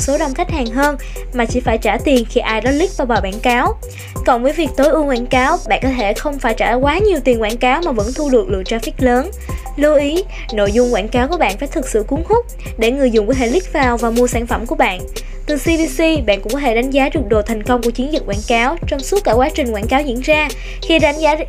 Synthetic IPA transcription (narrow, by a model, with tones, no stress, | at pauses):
so˨˦ɗə˨˩wŋ͡mxa˦˥jk̟̚haː˨˩ŋɦəː˧n | maː˨˩t͡ɕi˧˩faː˧˩jt͡ɕaː˧˩t̪i˨˩ənxi˧ʔaː˧jɗɔ˨˦lï˦˥k̚vaː˨˩ɓaː˨˩ɓa̰ː˧˩˨nkaː˨˦w | kɔ˨˩nvəː˨˦jvi˨˩ək̚t̪o˨˦jʔu˧əŋkwa̰ː˧˩nkaː˨˦wɓa̰ː˧˨nkɔ˨˦t̪ʰe˧˩xə˧wŋ͡mfaː˧˩jt͡ɕaː˧˩˨kwaː˨˦ɲi˨˩wt̪i˨˩ənkwa̰ː˧˩nkaː˨˦wmaː˨˩və̰˧˥nt̪ʰu˧ɗɨ˨˩ək̚lɨ̰˧˨ət͡ɕaː˧fi˦˥t̚ləː˨˦n | lu˧ʔi˨˦ | no̰˧˨jzʊ˧ŋ͡mkwaː˧˩˨nkaː˨˦wku˧˩əɓa̰ː˧˨nfaː˧˩jt̪ʰɨ˨˩k̚sɨ̰˧˨ku˨˦ənhʊ˦˥k͡p̚ | ɗe˧˩ŋɨ˨˩əjzʊ˨ŋ͡mku˧˦ɦḛ˧˨lï˦˥k̚vaː˨˩wvaː˨˩mu˧əsaː˧˩nfə˧˩mku˧˩əɓa̰ː˧˨n | t̪ɨ˨˩si˧ɓi˧si˧ɓa̰˧˨nkʊ̰˧˥ŋ͡mkɔ˨˦t̪ʰe˧˩ɗa˨˦ŋ̟zaː˨˦ɗɨ˨˩ək̚ɗo˨˩t̪ʰa˨˩jŋ̟kə˧wŋ͡mku˧˩ət͡ɕi˨˦nzï˨˩t̚waː˧˩nkaː˨˦wt͡ɕɔ˧wŋ͡msu˦˥t̚kːaː˧˩kwaː˨˦t͡ɕï˨˩ŋ̟kwaː˧˩nkaː˨˦wzḭ˧˥ənzaː˧ | xi˧ɗa˨˦jŋ̟zaː˨˦